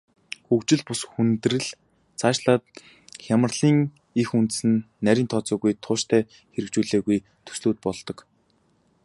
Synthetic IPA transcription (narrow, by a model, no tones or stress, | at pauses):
xukt͡ɕɪ̆ɮpʊsxunt̪rɘ̆ɮ | t͡sʰaːʃɮaːt̪̚ | xʲjamə̆rɮiːŋ | ixunt̪̆sɘ̆nːæɾʲiːnt̪ʰɔt͡sɔːɣujt̪ʰʊːʃt̪ʰæː | xeɾɘ̆kt͡ɕuːɮeːɣuj | t̪ʰɵ̥sɮuːt̪̚pɔɮt̪ɞ̆k